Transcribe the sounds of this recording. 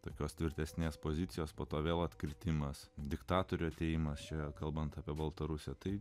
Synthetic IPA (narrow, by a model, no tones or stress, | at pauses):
t̪oːkʲoːst̪ʲʋʲɪɾʲt̪ʲɛsʲnʲeːspoːzʲɪt̪sʲɪjoːspoːt̪oːʋʲeːlˠɐt̪kɾʲɪt̪ʲɪmɐsd̪ʲɪkt̪ɑːt̪oːɾʲuɐt̪ʲeːjɪmɐst͡ʃʲɛkɐlˠbɐnt̪ɑːpʲiɛbɐlˠt̪ɐɾʊsʲɛt̪ɐɪ